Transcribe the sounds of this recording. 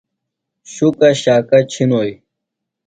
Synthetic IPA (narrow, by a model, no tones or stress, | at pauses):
ɕukɐɕaːkɐt͡ɕʰinoːj